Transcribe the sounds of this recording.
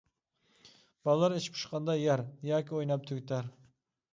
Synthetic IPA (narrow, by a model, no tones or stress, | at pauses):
b̥ɑlˠlˠɑɾeʃpʰu̥ʃqʰɑnd̪ɑjæɾjɑːkʲiojnɑp̚t̪ʰyɡʲt̪ʰæɾ